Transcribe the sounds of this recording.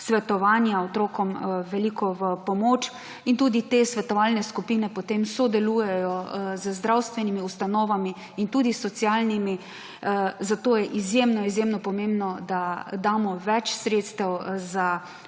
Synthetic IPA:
sʋɛt̪ɔʋaːnjaɔt̪ɾoːkɔmʋɛliːkɔʋəpɔmoːt͡ʃ | int̪uːd̪it̪esʋɛt̪ɔʋalnɛskupinɛpɔt̪emsɔd̪ɛluːjɛjɔzəzd̪ɾawst̪ʋɛnimiust̪anɔːʋamiː | nt̪uːd̪isɔt̪sjaːlnimi | zat̪oːjɛʔizjemnɔizjemnɔpɔmẽmbnɔd̪ad̪aːmɔʋɛt͡ʃsɾeːt̪st̪ɛwza

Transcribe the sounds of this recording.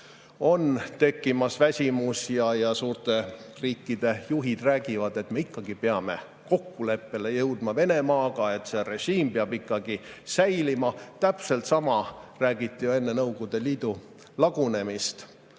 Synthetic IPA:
o̞nt̪e̞kːimɑsvæsʲimusjɑjɑsuːrt̪e̞riːkːid̪̥e̞juɦid̪ræːɡ̥ivɑd̪e̞t̪me̞ikːɑɡipeɑme̞̰ | ko̞kːule̞pːe̞le̞jɤwd̪̥mɑve̞ne̞mɑːɡ̥ɑe̞t̪se̞re̞ʒ̥iːmpeɑbikːˑɑɡ̥isæjlimɑt̪æpse̞lt̪sɑmɑræːɡ̥it̪ˑːijoe̞nːe̞nɤwɡ̥ud̪̥e̞liːd̪u | lɑɡ̥une̞mist̪

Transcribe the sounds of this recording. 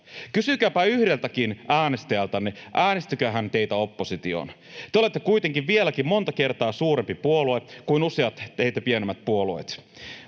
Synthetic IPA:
kysykæːpæyhdelt̪ækinæːnest̪æjælt̪ɑneʔæːnest̪ykøːɦænt̪eit̪æo̞pːosit̪io̰n | t̪eolet̪ːekuit̪eŋkiʋʋielækimmo̞nt̪ɑke̞rt̪ɑːsuːɾempipuoluekuinuseɑt̪t̪eijt̪æpienemːæt̪̚puoluet̪

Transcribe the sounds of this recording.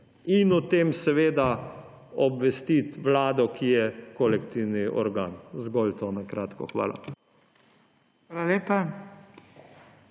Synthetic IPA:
inut̪emsɛʋeːd̪a | ɔbʋɛst̪it̪ʋlaːd̪ɔkʰijɛkɔlɛkt̪iwniʔɔ̰ɾɡa̰ːnzɡɔlt̪onakɾaːt̪kɔ̰xʋa̰ːla̰ | xʋaːlaleːpa

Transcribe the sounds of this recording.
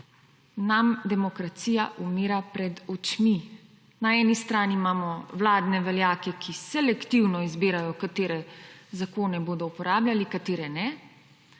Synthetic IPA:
namd̪ɛmɔkɾat̪siːjaʔumiːɾapɾɛd̪ɔt͡ʃmi | naɛːnist̪ɾaːnimaːmɔwlaːd̪nɛʋɛljaːkɛkʰisɛlɛkt̪iwnɔizbiːɾajɔkat̪eːɾɛzakoːnɛboːd̪ɔupɔɾaːbljalikat̪eːɾɛnɛ

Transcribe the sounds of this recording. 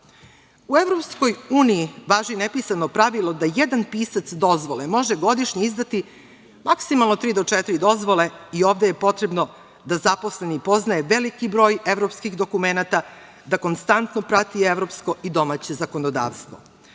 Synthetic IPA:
uevɾo̞psko̞juːniiʋaːʒinepisanopɾaʋilˠo̞d̪ajed̪anpiːsat̪sd̪o̞zʋolemo̞ʒeɡo̞d̪iʃɲeizd̪at̪i | maksimalˠnot̪ɾiːd̪ot͡ʂɛt̪iɾid̪o̞zʋo̞le̞io̞ːʋd̪eje̞po̞t̪ɾe̞bno̞ | d̪azaposle̞nipo̞znaeʋelikibɾo̞ːjevɾo̞pskixd̪o̞kumenat̪a | d̪ako̞nst̪ant̪nopɾat̪ieʋɾo̞ːpsko̞id̪o̞maːt͡ɕe̞zako̞nod̪a̰ːʋst̪ʋo̞̰

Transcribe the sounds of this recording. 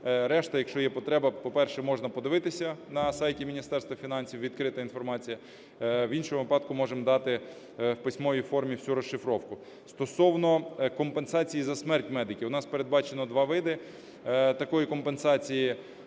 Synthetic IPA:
ɾɛʃt̪ɐjɐkʃt͡ʃɔjɛpɔt̪ɾɛbɐpɔpɛrʃɛmɔʒnɐpɔd̪ɪʋɪt̪ɪsʲɐnɐsɑjtʲimʲinʲist̪ɛrst̪ʋɐfʲinɑnʲsʲiwʋʲid̪kɾɪt̪ɐinfɔrmɑt͡sʲijɐ | winʃɔmʊʋɪpɑd̪̚kʊmɔʒemd̪ɑt̪ɪ | wpɪsʲmɔjifɔrmʲiwsʲuɾɔʃːɪfɾɔwkʊ | st̪ɔsɔwnɔkɔmpensɑt͡sʲijizɐsmɛrtʲmɛd̪ɪkʲiʊnɑspeɾed̪̚bɑt͡ʃenɔd̪ʋɑʋɪd̪ɪ | t̪ɐkɔjikɔmpensɑt͡sʲiji

